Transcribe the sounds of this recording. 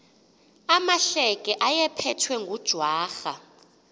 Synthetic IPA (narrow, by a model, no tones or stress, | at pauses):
amaɬɛkʼɛʔajɛpʰɛtʰwɛŋɡʱud̥ʒ̥ʱwaːxa